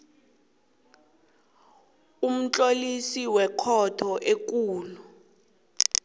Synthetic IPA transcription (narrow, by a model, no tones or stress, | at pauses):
um̩t͡ɬʼolisiwɛkʰɔtʰɔʔek̬ʼuːlu